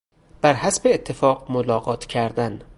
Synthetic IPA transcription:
b̥æɾhæsbeːt̪ʰːefɒːɢmolɒːɣɒːt̪ʰcʰæɾd̪æn

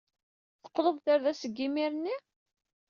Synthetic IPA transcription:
θə̥qːðovθaɾðæsəɡːimiɾənːi

